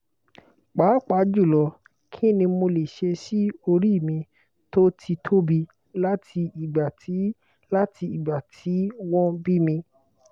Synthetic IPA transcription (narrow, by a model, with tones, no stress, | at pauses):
k͡paː˨˦k͡pa˨˦d͡ʒu˦˨lɔ˨˧ | kʰĩ˦˨nĩ˧mo˧le˨ʃe˧si˦o˧ɾi˦˨mĩ˧ | to˦tʰi˧tʰo˦bi˧ | la˦tʰi˧i˨ɡ͡ba˨ti˨˦ | la˦tʰi˧i˨ɡ͡ba˨tʰi˨˦wɔ̃˦bi˦mĩ˧